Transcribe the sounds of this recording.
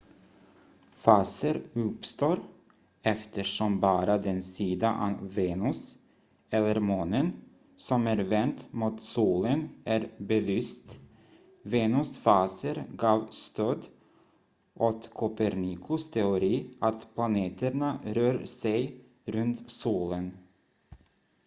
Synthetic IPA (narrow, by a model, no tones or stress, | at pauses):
fɑːsəɾɵpst̪oːɾ | ɛft̪əʂɔmbɑːɾad̪ɛnsiːd̪aʔaveːnɵs | ɛlːəɾmoːnən | sɔmæɾvɛnt̪muːt̪suːlənæɾbɛlyːst̪ | veːnʉsfɑːsəɾɡɑːvst̪ʰøːd̪ | ʔot̪kʰʊpɛɾnɪkʰʊst̪ʰɛʊɾiːʔat̪pʰlaneːt̪ʰəɳaɾøːɾsɛj | ɾɵnt̪suːlən